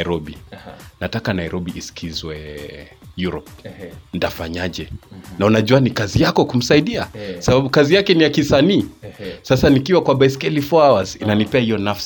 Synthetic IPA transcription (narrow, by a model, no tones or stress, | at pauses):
ɾɔɓinatakanaiɾɔɓiʔiskʰizwɛ | juɾɔp̚n̩dafaɲaʄɛnaunaʄuanikazijakɔkum̩saiɗiakɔsaɓaɓukazijakɛnijakisaniːsasanikiwakwabaɛskɛlifɔawazinanipɛahijɔnafsi̥